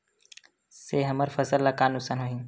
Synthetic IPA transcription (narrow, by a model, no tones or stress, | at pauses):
seːɦɐməɾfɐzəlːɐkaːnusanɦoɦĩ